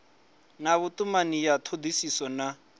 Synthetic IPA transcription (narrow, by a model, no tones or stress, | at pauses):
naβut̪umanijat̪ʰod̪isisɔna